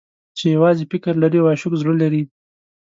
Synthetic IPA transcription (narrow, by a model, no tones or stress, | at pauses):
t͡ʃejawɑzefɪkɪɾlaɾiawaʃʊkzɽəlaɾi